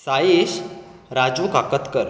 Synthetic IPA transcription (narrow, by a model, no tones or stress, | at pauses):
sajeɕɾad͡zukakət̪kəɾ